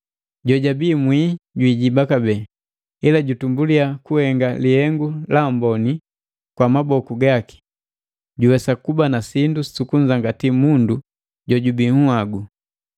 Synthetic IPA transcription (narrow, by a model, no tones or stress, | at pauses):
ɟɔɟabiːmwiɟwiːɟibakabɛː | ilaɟutumbuliakuhɛŋɡalihɛŋɡulambɔni | kwamabɔkuɡaki̥ | ɟuwɛsakubanasindussukuɲd͡ʒaŋɡatimundu | ɟɔɟubiŋuaɡu